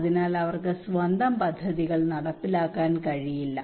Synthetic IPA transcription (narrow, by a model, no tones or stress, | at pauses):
ðinaːlɐʋɐrkɨsʋɐnd̪ʱɐmpɐd̪ʱːɐðiɣɐɭnɐɽɐpːilaːkːaːnkɐɻijilːɐ